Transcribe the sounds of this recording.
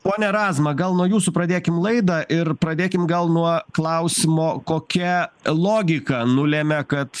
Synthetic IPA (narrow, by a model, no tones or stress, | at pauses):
poːnʲɛɾɑːzmɐɡɐlˠnuɔjuːsʊpɾɐd̪ʲeːkʲɪmlˠɐɪd̪ɐʔɪɾpɾɐd̪ʲeːkʲɪmɡɐlˠnuɔklˠɐʊsʲɪmoːkoːkʲɛlˠoːɡʲɪkɐnʊlʲemʲɛkɐt̪